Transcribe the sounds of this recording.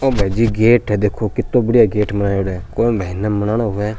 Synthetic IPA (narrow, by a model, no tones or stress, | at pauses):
oːbʱaːid͡ʒiːɡeːʈɛd̪eːkʰːoːkɪt̪ːõːbəɽijaːɡeːʈmənaːoːɽɛːkõːbʱainãːmənaːɽ̃oːɦʊʋɛː